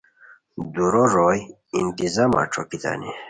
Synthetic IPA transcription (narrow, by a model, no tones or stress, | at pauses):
d̪uɾoɾoj | int̪izama̰ʈ͡ʂʰokit̪a̰ni